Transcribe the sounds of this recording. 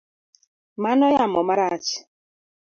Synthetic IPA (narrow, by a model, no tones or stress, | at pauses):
manɔjamɔmaɾat͡ʃ